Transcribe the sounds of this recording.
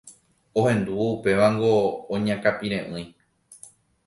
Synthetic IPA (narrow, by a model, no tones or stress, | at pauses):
o̞hẽ̞nd̪uupe̞ʋaŋɡõːɲãkapiɾẽ̞ʔɨ̃j̃